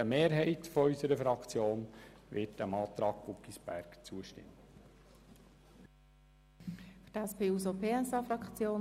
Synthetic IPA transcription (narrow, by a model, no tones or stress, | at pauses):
əmeːɾɦɛɪtfɔɔʏsəɾəfɾɑkt͡sjoːnʋɪtəmɑːt̪ɾɑːɡ̥̚pukːisb̥æ̰ɾkt͡suəʃtɪ̰mː | fydæspʰeːuːsopʰeːɛsɑfɾɑkt͡sjoː